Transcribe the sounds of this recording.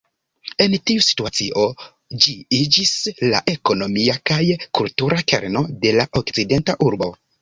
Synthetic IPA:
e̞ntiusi̥tuat͡siʔo̞ | d͡ʒiid͡ʒisla̰ʔe̞ko̞no̞miakajkultuɾake̞̰ɾno̞de̞laʔo̞kt͡side̞ntaʔuɾbo̞

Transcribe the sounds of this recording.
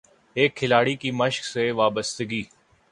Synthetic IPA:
eːkʰːɪlaːɽikiməʃkseʋaːbəst̪əɡiː

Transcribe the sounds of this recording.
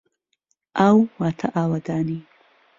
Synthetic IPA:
ʔawwaːt̪ʰɐʔaːwɐd̪aːni

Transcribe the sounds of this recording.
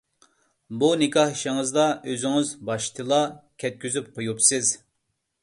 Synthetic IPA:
bunɪkʰɑhiʃɪŋɨzd̪ɑøzyŋɪzbɑʃt̪ʰɨlˠɑkʲʰɛt̪̚kʲyzyp̚qʰojupsɪz

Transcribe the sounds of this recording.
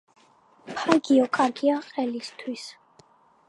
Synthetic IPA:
pʰaɡiɔkʼaɾɡiaqʼɛlist̪ʰwis

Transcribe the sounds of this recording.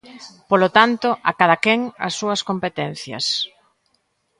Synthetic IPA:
polot̪ant̪ʊʔakaðɐkɛŋɐ̰sːuɐskompet̪ɛn̟θjɐ̰s

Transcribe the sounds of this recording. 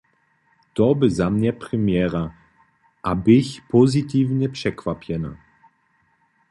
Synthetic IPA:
t̪ɔbɪzamɲɛpɾɪmjɛɾa | ʔabɪçpɔzit̪iːvɲɛpʂɛkvapjɛna̰

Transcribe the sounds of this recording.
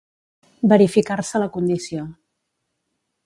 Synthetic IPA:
bəɾifikarsələkund̪isio

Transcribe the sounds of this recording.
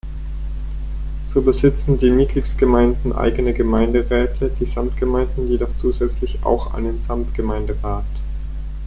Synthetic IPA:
z̥oːbəzɪt͡sn̩diːmɪtliksɡ̥əmaɪndn̩ʔa̰ɪɡənəɡəmaɪndəʁɛːtʰəd̥iːzamtɡ̥əmaɪndn̩jedɔχt͡suːzɛt͡slɪça̰ʊxʔa̰ɪnənz̥amtɡ̥əmaɪndəʁaːt

